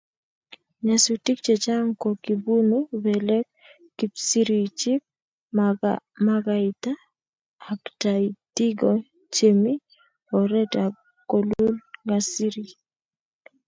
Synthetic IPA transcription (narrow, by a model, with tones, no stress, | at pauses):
ɲa˨su˨ti˦k̚t͡ʃe˨t͡ʃa˦ŋko˨ki˨bu˦nu˦bɛ˨lɛ˦k | kːi˨psi˦ɾi˨t͡ʃi˦p̚ | ma˦ɡa˨i˨t̪aː˦˨ | kta˨iti˦ɡɔ˨ | t͡ʃe˨mi˦ | ɔ˨ɾɛ˦ta˨ | ko˨lu˦lŋɡa˨si˦ɾi˨